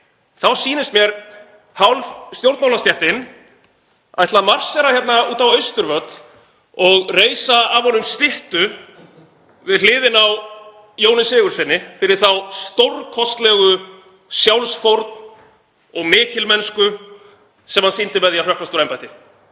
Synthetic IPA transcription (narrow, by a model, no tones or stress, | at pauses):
θawsiːnɪst̪mjɛɾ | hawlst̪jowɾt̪maːwlast̪jɛht̪ɪn | aðɛht̪lamar̥sɛɾaçjɛt̪nauːt̪awœɥst̪ʏɾvœt̪l | ɔɣreːjsaavhɔnːʏmst̪ɪht̪ʏ | vɪðl̥ɪːðɪnaw | jownɪsɪːɣʏɾ̥sɪnːɪfɪɾɪɾ̥θawst̪owɾkʰɔst̪lɛːɣʏ | sjawlsfowɾt̪n̥ | ɔɣmɪːcɪlmɛnskʏ | sɛmhansint̪ɪmɛðjal̥œhklast̪uɾejmpajt̪ɪ